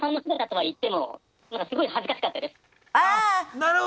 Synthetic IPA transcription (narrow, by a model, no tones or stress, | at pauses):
sãnːosid̪akat̪o̞βait̪ːe̞mo̞̰ | nãŋkasɨɡo̞ihazɨkaɕi̥kat̪ːad̪esɨ̥ | aaɾ